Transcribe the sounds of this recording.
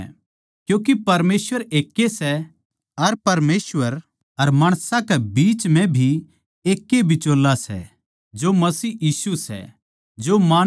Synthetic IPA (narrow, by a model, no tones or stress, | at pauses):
kjũːk̬epɐɾmeːsʋəɾeːkːesɛ | ɐɾpɐɾmeːsʋəɾ | ɐɾmaːɽ̃sãkɛbiːt͡ʃmɛ̃bʱi | eːkːebʱit͡ʃoːlːasɛ̰ | d͡ʒomɐsiːjiːsusɛ̰ | d͡ʒomaː